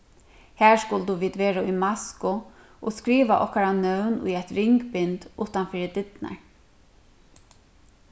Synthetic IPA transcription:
hæːɹskʊld̪uʋiːd̪ʋeːɹaʊjmaskʊ | ʔɔskɾiːʋaʔɔ̰hkaɾanœwnʊ̰jɛjt̪ɾɪŋkbɪnt̪ʊht̪anfɪːɾɪd̪ɪt̪na̰ɹ

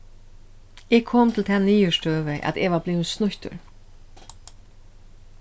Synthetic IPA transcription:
ɛːɡkʰɔːmt̪ʰɪlt̪ʰɛːniːʏʂtøːʋɪʔæ̰t̪eʋaɾblɪːsnʊçt̪ʊ̰ɹ

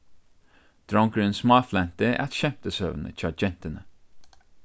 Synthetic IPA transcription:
d̪̥ɹɔŋkɹʉnsmɑːflænt̪əʔæ̰t̪ʃɛmt̪əsø̰ːʋn̩ʔə̰t͡ʃɑd͡ʒɛnt̪ənə

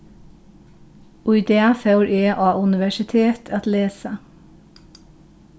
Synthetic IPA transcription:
ʔʊɪd̪eːæfɑʉɹʔeːʔɑːʔʉnɪʋæʃɪt̪ʰeːt̪ʰɑt̪leːsə

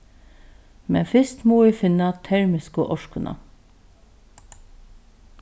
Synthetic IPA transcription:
mɛ̰nfɪst̪moːæːfɪnɑt̪ʰæɹmɪskəʔɔʃkənʔɑ̰

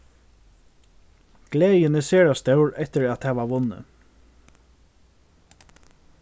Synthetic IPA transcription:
ɡ̥lɛːjɪnɪseːɹast̪œwɹɛht̪ɪɾæt̪hɛːʋaʋʊnːə̰

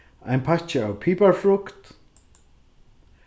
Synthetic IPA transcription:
ajnpʰaht͡ʃɪawpʰiːpaɹfɹʊkt̪

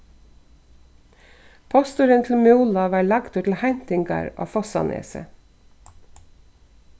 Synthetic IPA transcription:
pʰɔst̪ʊɾənt̪ʰl̩mɛuːlɑʋɑːɭɑɡt̪ʊʈl̩hænt̪ɪŋɡɑ̰ːɾʔo̰ːfɔsɑ̰nʔḛːsə̰

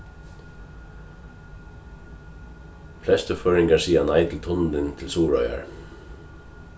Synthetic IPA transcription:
pʰlɛst̪əføːɹɪŋkaɹsiːanaɪt̪ʰɪlt̪ʰʊnn̩d̪ɪnt̪ʰɪlsuːɹœ̰ʏa̰ɹ

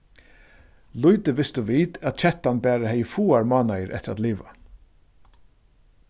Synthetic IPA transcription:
lʊjt̪əʋɪst̪ʊʋiːt̪æat̪̚t͡ʃʰɛt̪anbæːɾahɛjfuːaɹmɑːnajəɾʔɛ̰t̪ːɪɾat̪liːʋa̰

